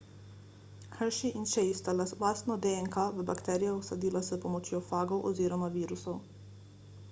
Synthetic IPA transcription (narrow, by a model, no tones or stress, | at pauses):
xəɾʃiʔinʃejst̪alaslaːst̪nɔd̪eɛŋkaʋəbakt̪ɛːɾijɔwsad̪iːlasɛpɔmɔt͡ʃjofaːɡɔwʔɔ̰ziːɾɔmaʋiːɾusɔw